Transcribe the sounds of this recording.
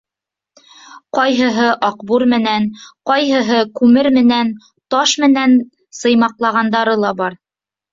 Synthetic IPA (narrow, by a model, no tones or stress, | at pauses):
qɒjɦɤ̆ɦɤʔɑqbuɾmɘ̆nænqɒjɦɤ̆ɦɤkʉmɘɾmɘ̆næn | t̪ɑʃmɘ̆næn | sɤ̆jmɑqlˠɑʁɑnd̪ɑɾɤlˠɑbɑɾ